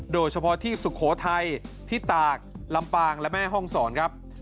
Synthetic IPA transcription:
doː˧jt͡ɕʰa˧pʰɔ˦˥t̪ʰiː˥˩su˨˩kʰɔː˩˦t̪ʰa˧jt̪ʰiː˥˩t̪aː˨˩k̚la˧mpaː˧ŋlɛ˦˥mɛː˥˩ɦɔ˥˩ŋsɔː˩˦nkʰa˦˥p̚

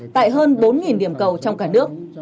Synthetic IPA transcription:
t̪a̰ː˧˨jɦəː˧nɓo˨˦nŋi˨˩nɗi˧˩əmkə˨˩wt͡ɕɔ˧wŋ͡mkaː˧˩nɨ˦˥ək̚

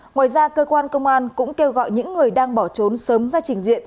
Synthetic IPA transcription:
ŋwa̰ː˧˨jzaː˧kəː˧kwaː˧nkə˧wŋ͡mʔaː˧nkʊ̰˧˥ŋ͡mke˧wɣɔ̰˧˨jɲɨ̰˧˥ŋːɨ˨˩əjɗaː˧ŋɓɔ˧˩t͡ɕo˨˦nsəː˨˦mzaː˧t͡ɕï˧˩ŋ̟zḭ˧˨ə

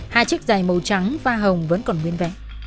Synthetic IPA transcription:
haː˧jt͡ɕi˦˥k̚zaː˨˩jmə˨˩wt͡ɕa˨˦ŋvaː˧ɦə˨˩wŋ͡mvə̰˧˥nkɔ˨˩nŋwi˧ənvɛ̰˧˨ʔ

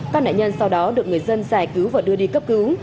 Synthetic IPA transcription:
ka˦˥k̚na̰ː˧˨ɲə˧nsa˧wɗɔ˨˦ɗɨ˨˩ək̚ŋɨ˨˩əjzə˧nzaː˨˩jkɨ˨˦wvaː˨˩ɗɨ˧əɗi˧kə˦˥p̚kɨ˨˦w

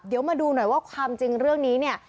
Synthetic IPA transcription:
p̚di˨˩˦əwmaː˧duː˧na˨˩jwaː˥˩kʰwaː˧mt͡ɕi˧ŋɾɯ˥˩əŋniː˦˥ni˥˩ə

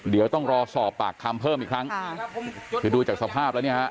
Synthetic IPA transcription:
di˩˦əwt̪ɔ˥˩ŋɾɔː˧sɔː˨˩p̚paː˨˩kʰːa˧mpʰɤː˥˩mʔiː˨˩kʰɾa˦˥ŋ | kɯː˨˧˩duː˧t͡ɕaː˨˩k̚sa˧pʰaː˥˩p̚lɛː˦˥wni˥˩hʰʔ

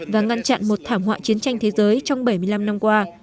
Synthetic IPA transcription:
vaː˨˩ŋa˧nt͡ɕa̰˧˨nmo˨˩t̚t̪ʰaː˧˩mɦwa̰ː˧˨t͡ɕi˨˦ənt͡ɕa˧jŋ̟t̪ʰe˨˦zəː˨˦jt͡ɕɔ˧wŋ͡mɓə˧˩jmɨ˧˩əjla˧mna˧mkwaː˧

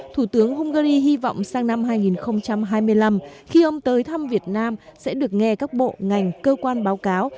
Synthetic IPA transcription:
t̪ʰu˧˩t̪ɨ˨˦əŋɦu˧ŋ͡mɣaː˧ɾi˧ɦi˧vɔ̰˧˨wŋ͡msaː˧ŋna˧mɦaː˧jŋi˨˩nxə˧wŋ͡mt͡ɕa˧mɦaː˧jmɨ˧əjla˧mxi˧ʔə˨˧wŋ͡mt̪əː˨˦jt̪ʰa˧mvi˨˩ət̚naː˧msɛ̰˧˥ɗɨ˨˩ək̚ŋɛ˧kaː˦˥k̚ɓo̰˧˨ŋa˨˩jŋ̟kəː˧kwaː˧nɓaː˨˦wkaː˨˦w

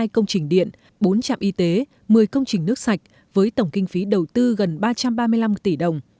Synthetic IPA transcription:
jkə˧wŋ͡mt͡ɕï˨˩ŋ̟ɗḭ˧˨ən | ɓo˨˦nt͡ɕa̰ː˧˨mʔi˧˦t̪e˨˦ | mɨ˨˩əjkə˧wŋ͡mt͡ɕï˨˩ŋ̟nɨ˦˥ək̚sa˨˩jk̟̚ | vəː˨˦jt̪ə˧˩wŋ͡mkï˧ŋ̟fi˨˦ɗə˨˩wt̪ɨ˧ɣə˨˩nɓaː˧t͡ɕa˧mɓaː˧mɨ˧əjla˧mt̪i˧˩ɗə˨˩wŋ͡m

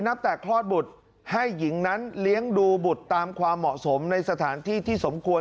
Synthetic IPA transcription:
na˦˥p̚t̪ɛː˨˩kʰlɔː˥˩t̪̚bu˨˩t̪̚ | ha˥˩jːi˩˦ŋna˦˥nli˦˥əŋduː˧bu˨˩t̪ːaː˧mkʰwaː˧mːɔ˨˩ʔso˩˦mna˧jsa˧t̪ʰaː˩˦nt̪ʰiː˥˩t̪ʰiː˥˩so˩˦mkʰu˧ə

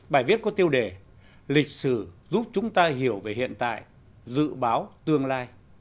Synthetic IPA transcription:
ɓaː˨˧˩jvi˦˥ət̚kɔ˨˦t̪i˧əwɗe˧˩ | lï˨˩k̟̚sɨ˧˩zu˦˥p̚t͡ɕʊ˨˦ŋ͡mt̪aː˧ɦi˧˩əwve˨˩hḭ˧˨ənt̪a̰ː˧˨jʔ | zɨ̰˧˨ɓaː˨˦wt̪ɨ˧əŋlaː˧j

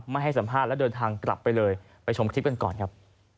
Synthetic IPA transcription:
ma˥˩jɦha˥˩jsa˩˦mpʰaː˦˥˩t̪̚lɛ˦˥dɤː˧nt̪ʰaː˧ŋkɾa̰˨˩pːa˧jlɤː˧j | pa˧jt͡ɕʰo˧mkʰɾi˦˥p̚ka˧nkɔ̰ː˨˩nkʰa˦˥p̚

